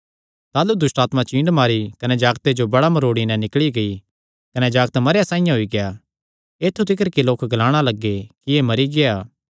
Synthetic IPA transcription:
t̪aːlud̪ʊsʈaːt̪mãt͡ʃĩːɳɖmaːɾikɐnɛd͡ʒaːɡt̪ed͡ʒobɐɽamɐɾoːɽinɛ̃nɪkɭiɡɐi | kɐnɛd͡ʒaːɡt̪mɐɾjasãːɪ̃jãɦoiɡeja | eːt̪ʰːut̪ɪkəɾkiloːkɡlaːɽ̃alɐɡːekiemɐɾiɡeaː

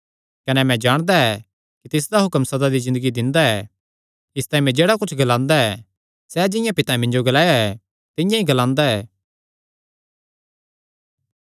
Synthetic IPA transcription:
kɐnɛmɛ̃d͡ʒaːɽ̃d̪aɛ | kit̪ɪsd̪aɦʊkəmsɐd̪ad̪izɪ̃nd̪əɡid̪ɪ̃nd̪aɛ | ɪst̪aːĩmɛ̃d͡ʒeːɽakʊt͡ʃʰɡɐlãːnd̪aɛ | sɛd͡ʒɪ̃jãpɪt̪ãmɪ̃nd͡ʒoɡɐlaːjaɛ | t̪ɪ̃jãiɡɐlãːnd̪aɛː

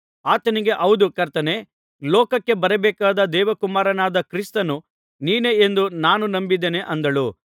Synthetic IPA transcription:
aːt̪ɐniɡe̞ʔɐwd̪ukɐɾt̪ɐne | lɔːkɐkːe̞bɐɾɐbɛːkaːd̪ɐd̪ɛːʋɐkumaːɾɐnaːd̪ɐkɾist̪ɐnu | niːne̞end̪unaːnunɐmbid̪eneʔɐnd̪ɐɭu

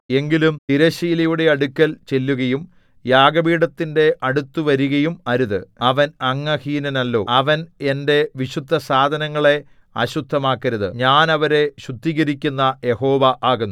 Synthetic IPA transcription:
e̞ŋɡilumt̪iɾɐɕiːlɐjuɽe̞ɐɽukʲːɐlt͡ɕe̞lːuɣɐjum | jaːɡɐbiːɽɐt̪ːinde̞ʔɐɽut̪ːuʋɐɾuɣɐjumɐɾuðɨɐʋɐnɐŋːɐhiːnɐnɐlːo̞̰ːɐʋɐne̞nde̞ʋiɕud̪ʱːɐsaːd̪ʱɐnɐŋːɐɭe̞ | ɐɕud̪ʱːɐmaːkːɐɾɐðɨ̰ɲaːnɐʋɐɾe̞ɕud̪ʱːiɣɐɾikʲːunːɐje̞ho̞ːʋɐʔaːɣunːu

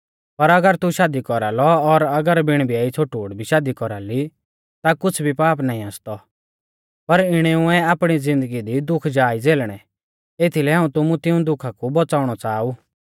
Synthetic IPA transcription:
pɐɾɐɡəɾt̪uʃaːd̪ikɔɾaːlɔɔɾɐɡəɾbɪɽ̃bʱiaːit͡sʰoʈuːɽbʱiʃaːd̪ikɔɾaːli | t̪akʊt͡sʰbʱipaːpnaːĩaːst̪ɔ | pɐɾɪɽ̃ɛuɛaːpɽ̃id͡zɪ̃nd̪əɡid̪id̪ʊkʰd͡ʒaːid͡zeːlɽ̃ɛ | eːt̪ʰilɛɦaːũt̪ʊmũt̪ɪũd̪ʊkʰakubɔt͡saːʊɽ̃ɔt͡saːuː

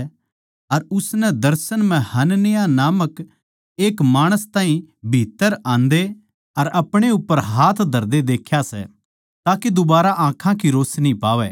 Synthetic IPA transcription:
ɐɾʊsnɛd̪ɐɾsənmɛ̃hɐnnɪjanaːmək | eːkmaːɽ̃əst̪aːɦĩbʱiːt̪ːəɾãːnd̪e | ɐɾɐpɽ̃eʊpːəɾɦaːt̪ʰd̪ʱɐɾd̪ed̪eːkʰːjasɛ̰ | t̪aːked̪ʊbaːɾaʔãːkʰãkiɾoːsnĩpaːʋɛ

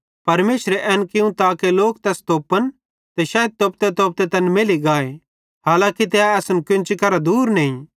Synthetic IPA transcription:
pɐɾmeːʃɾeʔɛːnkɪũt̪aːkeloːk̚t̪ɛst̪oːpən | t̪ɛʃaːjəd̪̚t̪oːp̚t̪et̪oːp̚t̪et̪ɐnmɪliɡaːe | ɦaːlãːkit̪̬ɛaɛːsənkʊnt͡ʃikɐɾad̪uːɾnɛĩ

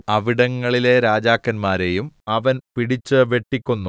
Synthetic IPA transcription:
ɐʋiɽɐŋːɐɭileɾaːd͡ʑaːkːɐnmaːɾe̞jumɐʋɐnpiɽit͡ɕːɨʋe̞ʈːikʲːunːu

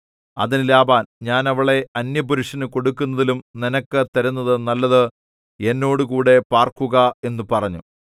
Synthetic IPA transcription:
ɐ̰ðinlaːbaːnɲaːnɐʋɐɭe̞ɐnjɐbuɾuʂɐnɨko̞ɽukːunːɐðilumninɐkːɨt̪ɐɾunːɐðɨnɐlːɐðɨ | e̞nːo̞ːɽukuːɽe̞paːrkuɣɐe̞nːupɐrɐɲːṵ

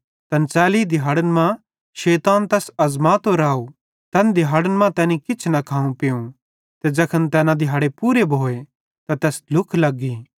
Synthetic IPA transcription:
t̪ɐnt͡sɛːliːd̪ɪɦaːɽənmã | ʃeːt̪aːnt̪ɛːsɐzmaːt̪oɾaːu | t̪ɐnd̪ɪɦaːɽənmãt̪ɛːnikɪt͡ʃʰnɐkʰaːũpɪũ | t̪ed͡ʒɐkʰənt̪ɛːnãd̪ɪɦaːɽepuːɾebʱoːe | t̪at̪ɛːslʊkʰlɐɡːiː

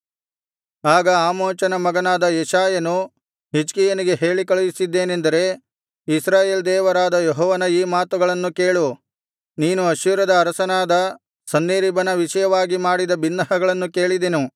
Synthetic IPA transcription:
aːɡɐaːmoːnt͡ʃɐnɐmɐɡɐnaːd̪ɐjɛʃaːjɐnu | ɦid͡ʒkijɐniɡe̞ɦe̞ːɭikɐɭujisid̪ːeːnend̪ɐɾe̞ | isɾaːjeːld̪ɛːʋɐɾaːd̪ɐjɔɦɔːʋɐnɐiːmaːt̪uɡɐɭɐnːuke̞ːɭu | niːnuɐʃuːɾɐd̪ɐːɾɐsɐnaːd̪ɐ | sɐnːeːɾibɐnɐʋiʃɐjɐʋaːɡimaːɽid̪ɐbinːɐɦɐɡɐɭɐnːuke̞ːɭid̪enu

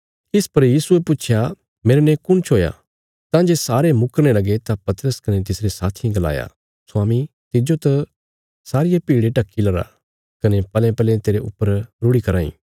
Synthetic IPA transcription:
kɪspɐɾjiːsuepʊːt͡ʃʰja | meːɾenɛ̃kʊnt͡ʃʰoːja̰ | t̪ãd͡ʒesaːɾemʊkəɾnelɐɡet̪apɐt̪ɾəskɐnet̪ɪsɾesaːt̪ʰĩɡɐla̰ːja̰ | soaːmĩ | t̪ɪd͡ʒot̪ɐ | saːɾɪjapiːɽeʈɐkːilɐɾa̰ | kɐnepɐlɛ̃pɐlẽt̪eːɾeʔʊ̰pːəɾɾʊɽikɐɾaːḭ̃ː

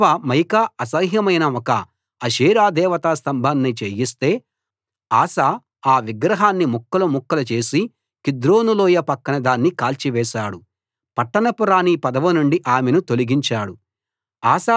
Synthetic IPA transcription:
ɐmɐjkaɐsɐɦɦjɐmɐjnɐɔkɐː | ʃiːɾaːd̪ɛːʋɐt̪aːst̪ɐmbʱɐnːit͡ʃeːjist̪e̞ː | aːsaː | aːʋiɡɾɐɦaːnːimukːɐlumukːɐlɐt͡ʃe̞ːsi | kid̪ɾoːnuloːjɐpɐkːɐnɐd̪aːnːikaːlt͡ʃiʋɛːʃaːɽu | pɐʈːɐɳɐpuɾaːnipɐd̪ɐʋɐnuɳɖiʔaːmenut̪oliɡiɲt͡ʃaːɽu | aːsaː

